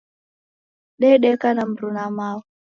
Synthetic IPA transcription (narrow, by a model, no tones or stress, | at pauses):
ɗɛɗɛkanam̩ɾunamawu